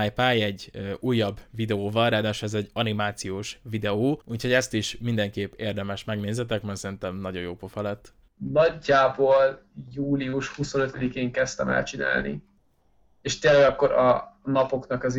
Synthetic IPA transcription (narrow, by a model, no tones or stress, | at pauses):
ajpaːjɛɟːuːjːɒbːvid̪ɛoːvɒlraːd̪aːʃɛzɛɟːɒnimaːt̪sijoːʃvid̪ɛoːuːcho̞ɟɛst̪iʃmind̪ɛŋkeːpːeːrd̪ɛmɛʃmɛɡneːzɛt̪ɛkmɛrsɛɾint̪ɛmnɒɟo̞joːpofɒlɛt̪ː | nɒɟːaːboːljuːliuʃhuso̞nøt̪ød̪ikeːŋkɛst̪ɛ̰mɛ̰lt͡ʃina̰ːlnḭ | eːʃt̪eːlːɛɡɒkːo̞ɾɒ̰nɒpo̞knɒkɒz